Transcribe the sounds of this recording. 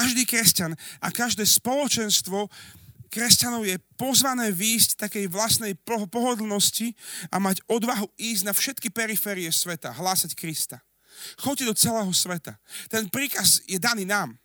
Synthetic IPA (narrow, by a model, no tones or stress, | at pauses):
kaʒd̪iːkɾɛscanʔa̰kaʒd̪ɛːspɔlɔt͡ʃɛnst̪ʋɔkɾɛscanɔʊjɛpɔzʋanɛːʋiːsct̪akɛjʋlasnɛjpɔɦpɔɦɔd̪l̩ˠnɔsciʔamaɟɔd̪ʋaɦuiːzɟnafʃɛt̪kipɛɾifɛːɾiɛsʋɛt̪aɦlaːsackɾist̪a | xɔc̚d̪ɔt͡sɛlɛːɦɔsʋɛt̪at̪ɛnpɾiːkazjɛd̪aniːnaːm